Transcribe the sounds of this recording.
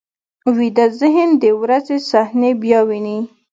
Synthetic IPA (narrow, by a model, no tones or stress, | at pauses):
wid̪azɪɦɪnd̪əwɾazesahnebjɑwini